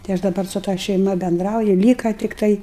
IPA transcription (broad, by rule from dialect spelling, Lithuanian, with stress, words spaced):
tɐɪ ˈɐʃ dɐˈbɐr sʊ tɐ ʃʲɛɪˈmɐ bʲɛnˈdrɐʊjʊ ˈlʲiːkɐ tʲɪkˈtɐɪ